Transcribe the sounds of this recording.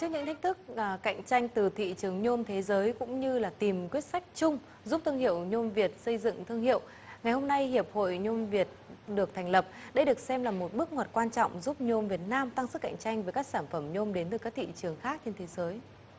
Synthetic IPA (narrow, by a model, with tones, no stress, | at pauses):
t͡ɕɨ˦˥k̚ɲɨ̰˧˥ŋt̪ʰa˦˥k̟̚t̪ʰk̚ka̰˧˨jŋ̟t͡ɕa˧jŋ̟t̪ɨ˨˩t̪ʰḭ˧˨t͡ɕɨ˨˩əŋɲo˧mt̪ʰe˨˦zəː˨˦jkʊ̰˧˥ŋ͡mɲɨ˧laː˨˩t̪i˨˩mkwi˦˥ət̚sa˦˥jk̚t͡ɕʊ˧ŋ͡m | zu˦˥p̚t̪ʰɨ˧əŋhḭ˧˨əwɲo˧mvi˨˩ət̚sə˧jzɨ̰˧˨ŋt̪ʰɨ˧əŋhḭ˧˨əw | ŋa˨˩jho˧mna˧jhi˨˩əp̚ho̰˧˨jɲo˧mvi˨˩ət̚ɗɨ˨˩ək̚t̪ʰa˨˩ŋ̟lə˨˩p̚ɗə˧jɗɨ˨˩ək̚sɛ˧mlaː˨˩mo˨˩t̚ɓɨ˦˥ək̚ŋo˨˩t̚kwaː˧nt͡ɕɔ̰˧˨wŋ͡mzu˦˥p̚ɲo˧mvi˨˩ət̚naː˧mt̪a˧ŋsɨ˦˥ka̰˧˨ŋ̟t͡ɕa˧jŋ̟ve˨˦jkaː˦˥k̚saː˧˩nfə˧˩mɲo˧mɗe˨˦nt̪ɨː˨˩kaː˦˥k̚t̪ʰḭ˧˨t͡ɕɨ˨˩əŋxaː˦˥k̚t͡ɕe˧nt̪ʰe˨˦zəː˨˦j